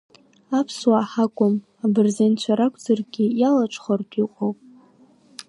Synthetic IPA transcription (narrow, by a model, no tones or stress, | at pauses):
apʰswaːħakʷʼʊm | abɨrzent͡ʃʷʰaɾakʷʰʼd͡zarɡʲijalat͡ʃʷʰʼχardʰʼiqʷʼowpʼ